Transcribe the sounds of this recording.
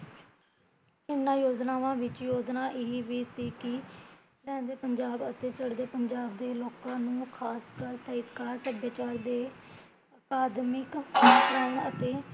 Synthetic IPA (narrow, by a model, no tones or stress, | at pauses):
ɪnːãːjoːd͡ʒnaːʋãːʋɪt͡ʃjoːd͡ʒnaːʔeiʋiːt̪iːkɪ | ɾɛ̃ːnd̪eːpəɲd͡ʒaːbət̪eːt͡ʃəɽd̪eːpəɲd͡ʒaːb̚d̪eːloːkãːnũːkʰaːskəɾsəɦɪt̪kaːɾsəbjaːt͡ʃaːɾd̪eː | əkaːd̪mɪkɪtɾəːnət̪eː